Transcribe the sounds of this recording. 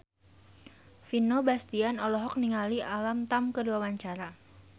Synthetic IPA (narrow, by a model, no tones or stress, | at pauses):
finobast̪ianɔlɔɦɔk̚niŋaliʔalamt̪amkəduawaɲt͡ʃaɾa